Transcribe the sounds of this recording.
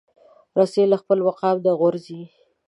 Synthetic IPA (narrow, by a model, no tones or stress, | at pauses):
ɾaselaxpəlwaqɑwd̪əɣʊɾzi